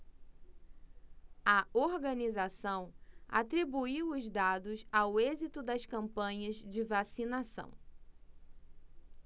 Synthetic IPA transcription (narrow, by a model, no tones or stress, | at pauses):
ɐoɾɡɐnizasɐ̃w̃a̰t̪ɾibuiwʊzd̪ad̪ʊsawezit̪ʊd̪ɐskɐ̃mpɐ̃ɲɐzd͡ʒɪvasinasɐ̰̃w̃